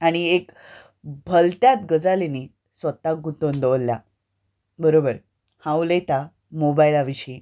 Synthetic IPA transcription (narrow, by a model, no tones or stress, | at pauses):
aɽ̃iek | bʱəlt̪jat̪ɡəd͡zaleniː | sʋət̪aɡut̪ond̪oʋlːja̰ | bəɾobəɾ | hãwlet̪a | mobailaʋiɕiː